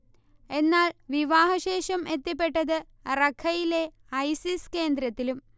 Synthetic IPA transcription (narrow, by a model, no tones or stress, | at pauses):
e̞nːaːɭʋiʋaːɦɐɕe̞ːʂɐme̞t̪ːip̬ːe̞ʈːɐðɨ | rɐkʰɐjile̞ | ɐjsiske̞ːnd̪ɾɐt̪ːilum